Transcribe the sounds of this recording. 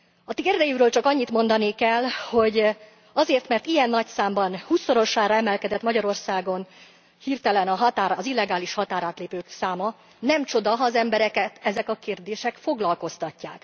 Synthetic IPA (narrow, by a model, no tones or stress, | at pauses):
ɒt̪eerd̪ɛjyɾøːlt͡ʃɒkɒɲːit̪mo̞nd̪ɒnikɛlːho̞ɟ | ɒzeːrt̪mɛrt̪ijɛnːɒcsaːmbɒnhuːsːo̞ɾo̞ʃaːɾɒɛmɛlkɛd̪ɛt̪mɒɟɒɾo̞rsaːɡo̞n | hirt̪ɛlɛnɒɦɒt̪aːɾːzilːɛɡaːliʃhɒt̪aːɾaːt̪leːpøːksaːmɒ | nɛmt͡ʃo̞d̪ɒɦɒːzɛmbɛɾɛkɛt̪ɛzɛkɒkeːrd̪eːʃɛkfo̞ɡlɒlko̞st̪ɒcːaːk